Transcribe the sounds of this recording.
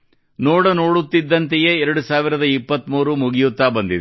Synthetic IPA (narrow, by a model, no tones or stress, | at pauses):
noːɽɐno̞ːɽut̪ːid̪ːɐnt̪ejeɛɾɐɽusaːʋiɾɐd̪ɐipːɐt̪muːɾumuɡijut̪ːaːbɐnd̪id̪ɛ